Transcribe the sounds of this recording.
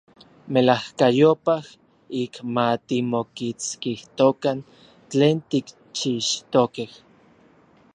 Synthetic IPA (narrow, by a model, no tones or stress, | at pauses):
melahkajopah | ikmat̪imokit͡skiht̪okan | t͡ɬeːnt̪ik | t͡ʃiʃt̪okeh